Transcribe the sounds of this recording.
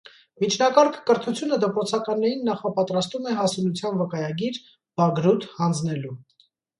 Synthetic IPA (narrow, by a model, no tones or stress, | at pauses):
mit͡ʃʰnɑkɑɾkʰkəɾt̪ʰut͡sʰjunəd̪əpɾɔt͡sʰɑkɑnːɛɾinːɑχɑpɑt̪ɾɑst̪umɛɦɑsulut͡sʰjɑnvəkɑjɑɡiɾ | b̥ɑɡɾut̪hɑnd͡znɛlu